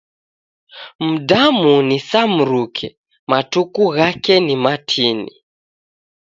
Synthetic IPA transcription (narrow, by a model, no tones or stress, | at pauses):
m̩damunisam̩ɾukʰɛ | matukuɣakɛnimatʰinḭ